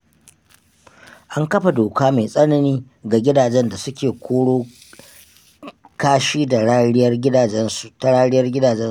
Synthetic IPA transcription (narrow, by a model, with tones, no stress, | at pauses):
ʔa˦ŋkɐ˦ɸa˨doː˨kaː˦me˨sʼɐ˦nɐ˦niː˦ | ɡa˨ɡʲɪ˦daː˨d͡ʒɛ˦nda˨sʊ˦kʲeː˨kʷʰoː˦ɽoː˦ | kaː˦ʃiː˦da˨ɽa˦ɽɪ˦jɐ˦rɡʲɪ˦aː˨˦n˨ta˨ɽaː˦ɽɪ˦jɐ˦rɡʲɪ˦daː˨d͡ʒɛ˦